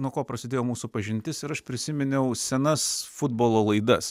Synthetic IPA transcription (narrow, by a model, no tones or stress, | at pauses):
nuɔkoːpɾɐsʲɪd̪ʲeːjoːmuːsupɐʒʲɪnʲt̪ʲɪsɪɾɐʃpʲɾʲɪsʲɪmʲɪnʲɛʊsʲɛnɐsfʊd̪boːlˠoːlˠɐɪd̪ɐs